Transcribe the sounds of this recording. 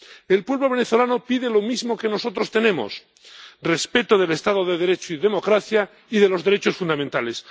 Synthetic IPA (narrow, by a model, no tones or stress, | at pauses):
e̞lpwe̞βloβe̞neθo̞lanopiðelo̞mizmoke̞no̞so̞t̪ɾo̞st̪e̞nẽ̞mo̰s | respe̞t̪oð̞e̞le̞st̪aðoðeðe̞ɾe̞t͡ʃoiðemo̞kɾaθja | iðe̞lo̞zðe̞ɾet͡ʃo̞sfund̪amẽnt̪ale̞s